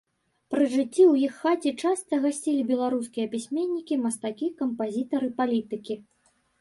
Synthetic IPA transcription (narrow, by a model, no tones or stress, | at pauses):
pɾɨʐɨt͡sʲːiwjixːat͡sʲit͡ʂast̪ɐɣasʲt͡sʲilʲibʲɛlˠaɾuskʲijɐpʲisʲmʲenʲːikʲimɐst̪akʲikɐmpazʲit̪ɐɾɨpalʲit̪ɨkʲi